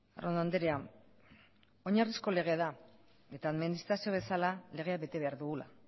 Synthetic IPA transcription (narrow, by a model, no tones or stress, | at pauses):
ronand̪eɾea | o̞ɲarisko̞le̞ɣ̞e̞ða | e̞t̪aːðminist̪ɾasio̞βe̞salale̞ɣ̞e̞aβe̞t̪e̞βe̞aɾðuɣula̰